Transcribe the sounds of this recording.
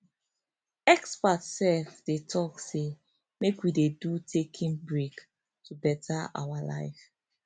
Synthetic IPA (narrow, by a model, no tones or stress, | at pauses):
ɛkspatsɛlfd̥etʰɔkse | mekwidedutʰekʰĩnbɹek | tubɛtʰaa̰wala̰ɪf